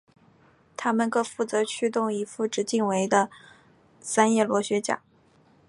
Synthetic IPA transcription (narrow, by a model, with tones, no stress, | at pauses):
t̪ʰa˥mə˨nkɤ˥˧fu˥˩t͡sɤ˧˥t͡ɕʰy˥t̪ʊ˥˩ŋi˧˥fu˥˩ʈ͡ʂɻ̩˧˥t͡ɕi˥˩ŋwe˧˥ɪd̪ə˧ | sa˥njɛ˥˩lwɔ˧˥ɕɥɛ˧˥t͡ɕja̰˨˩˦